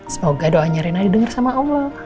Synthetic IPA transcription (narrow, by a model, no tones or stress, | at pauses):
səmoɡadoaɲaɾinadidəŋarsamaɔlːɔ